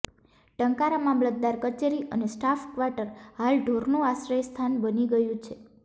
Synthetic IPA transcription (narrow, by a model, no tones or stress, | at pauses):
ʈəŋkaɾamamlət̪̚d̪aɾkət͡ʃeɾiʔə̰nesʈafkʋaʈəɾhalɖʱoɾnũasɾəjst̪ʰanbəniɡəjũt͡ʃʰe